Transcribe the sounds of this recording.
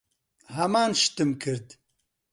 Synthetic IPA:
ɦɐmaːnʃt̪ɨmkʰɨɾd̪

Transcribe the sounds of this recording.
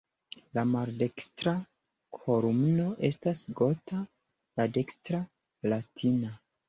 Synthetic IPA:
lamaɾde̞kstɾa | kʰo̞ɾumno̞ʔe̞stasɡo̞ta | lade̞kstɾa | latʰina

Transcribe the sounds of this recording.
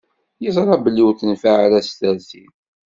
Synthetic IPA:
jizˤɾˤɑbəlːiwθənfaʕɾæst̪æzḭn

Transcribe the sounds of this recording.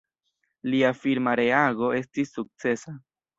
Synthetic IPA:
liafiɾmaɾe̞aɡo̞e̞stisːuk̚t͡se̞sa

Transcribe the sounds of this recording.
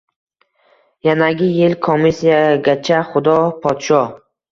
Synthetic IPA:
janaɡʲɪjelkʰomisijaɡʲat͡ʃʰaχʊd̪ɒpʰɒt̪ʃɒ

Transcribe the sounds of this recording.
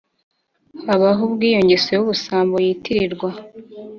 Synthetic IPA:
haβaɦubɡiːjo̞ɲɟe̞sejuβusaːmbo̞jiːtiɾiɾɡwa

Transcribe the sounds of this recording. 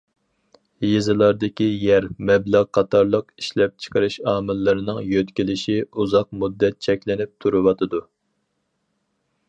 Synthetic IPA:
jezɨlˠɑɾd̪ɪkʲijɛɾmɛblæʁqʰɑt̪ʰɑɾlˠəqi̥ʃlɛp̚t͡ʃʰə̥qəɾɨʃɑːmɪlːɨɾɨnɨŋjøt̪kʲilɪʃiuzɑq̚mud̪ːɛt̪̚t͡ʃʰɛkʲlɪnɪp̚t̪ʰuɾɨwɑt̪ʰɨd̪u

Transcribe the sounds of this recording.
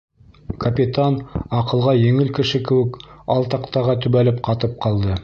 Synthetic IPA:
kɐpʲit̪anɑqɤ̆lˠʁɑjɘ̆ŋɘlkɘ̆ʃɘkɘ̆wɘkɑlˠt̪ɑqt̪ɑʁɑt̪ɵ̆βælɘp̚qɑt̪ɤp̚qɑlˠd̪ɤ

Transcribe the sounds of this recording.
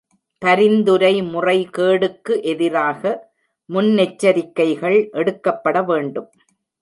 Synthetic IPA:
t̪ɐɾɪnd̪ɯɾɐɪmʊrɐɪkeːɽɯkːɯʔɛðɪɾaːɣɐ | mʊnnɛt͡ʃːɐɾɪkːɐɪɣɐɭʔɛɽɯkːɐpːɐɽɐʋeːɳɖɯm

